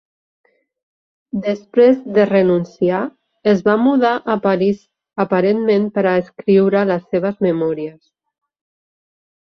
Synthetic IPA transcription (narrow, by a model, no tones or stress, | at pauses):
d̪əspɾezðərənunsia | əzβamuðaʔəpaɾiz | əpaɾenmempəɾaːskɾiwɾələsːeβ̞əzməmɔɾiəs